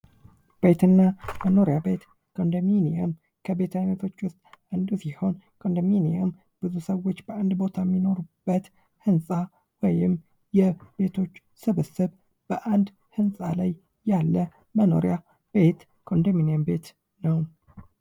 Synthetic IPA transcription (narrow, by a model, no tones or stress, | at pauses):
b̥e̞t̪ʰɨnːaməno̞ɾjabe̞t̪ | kʰəʔnd̪əminiəm | kʰəbe̞t̪ʰajnət̪ʰo̞t͡ʃːwʊst̪ʼʔand̪usiho̞nkʰəɨnd̪əminiəm | b̥ɨzusəwo̞t͡ʃːbəand̪bo̞t̪ʰamːino̞ɾub̥ːət̪ | hɨnsʼa | wɔjɪm | jɛb̥e̞t̪ʰo̞t͡ʃː | sɨβɨsɨβ | b̥əʔand̪ | hɨnsʼalajː | alːə | məno̞̰ɾija | b̥e̞t̪ | kʰəʔʊnd̪əminiəmbe̞t̪ | nəw